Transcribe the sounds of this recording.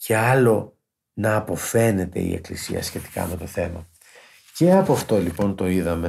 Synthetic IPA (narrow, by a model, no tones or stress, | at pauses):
ce̞ɐlo̞ | nɐːpo̞fe̞ne̞t̪e̞̰ḭe̞̰klisḭɐ̰sçe̞t̪i̥kɐ̰me̞t̪o̞θe̞mɐ | ce̞ɐpoɐft̪o̞lipo̞nt̪o̞iðɐme̞